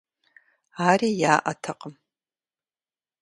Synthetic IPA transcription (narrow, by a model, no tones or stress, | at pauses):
aɾijaːʔatʰaqʼəm